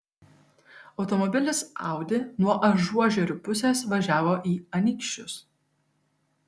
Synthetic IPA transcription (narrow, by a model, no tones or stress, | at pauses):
ɒʊt̪ɔmɔbʲɪlʲɪsɑ̰ˑʊd̪ʲɪnuɔʔɐʒuɔʒʲɛɾʲʊpʊsʲeːsʋɐʒʲæːʋoːʔiːɐnʲikʃʲt͡ʃʲʊs